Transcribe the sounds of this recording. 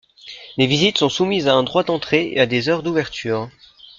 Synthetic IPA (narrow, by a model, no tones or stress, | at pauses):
levizit̪sɔ̃sumizaɛ̃d̪ʁwad̪ɑ̃t̪χeḛad̪ezœʁd̪uvɛʁt̪ʰyːʁ